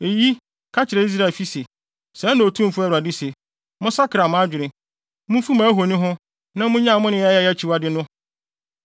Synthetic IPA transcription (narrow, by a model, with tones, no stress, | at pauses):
e˨ji˦ | kʰa˦t͡ɕʰɪ˨ɾɛ˨i˦s̬ɾa˦˨fi˦se˨ | sɛ̃˨˦nã˨o˨tʰũ˦m̩˨fʊ˦ɛ˦wa˨dɪ˦se˨ | mʊ̃˦sa˦kʰɾa˨mʊ̃˦a˦d͡ʑᶣɪ˨ɾɪ̃˨ | mʊ̃˦fu˦mã˨˦ɦo˨nĩ˦ɦʊ̃˦ | nã˦mʊ̃˦ɲã˦˨mʊ̃˦nɪ̃˨jɛ˦jɛ˦jɛ˦˨t͡ɕʰi˨wa˦dɪ˦nʊ̃˦